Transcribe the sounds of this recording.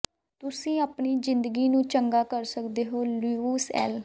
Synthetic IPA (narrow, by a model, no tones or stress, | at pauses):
t̪ʊsĩːapɳiːzɪ̃nd̪əɡiːnũːt͡ʃəŋɡaːkəɾsəkd̪eːɦoːluːsɛ̰ːl